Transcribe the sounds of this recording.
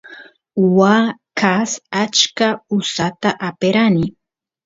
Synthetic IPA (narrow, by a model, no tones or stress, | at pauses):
wakasat͡ʃkaʊsat̪aʔapeɾanɪ